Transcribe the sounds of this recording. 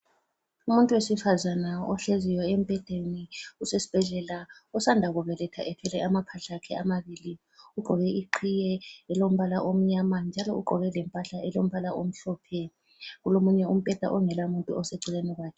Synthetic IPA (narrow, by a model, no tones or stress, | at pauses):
umuntʼuwesifazanaɔɬezijɔem̩pʼɛd̥ʱeniusesi̥b̥ʱɛɮɛlaɔsandʱaɣɔβɛlɛtʰaʔɛpʰɛlɛamapʰaɬakʰɛamaβili | uɡ͡ǃʱɔɣɛiǃʰijɛɛlom̩βalaʔom̩ɲamand͡ʒʱalɔuɡ͡ǃʱɔβɛlɛmpʼaɬaɛlom̩βalaʔom̩ɬɔːpʰɛ | ɣulomuɲɛum̩pʼɛd̥ʱa̰ʔɔŋɛlamuntʼuɔseǀʱileniɣwaːkʰɛ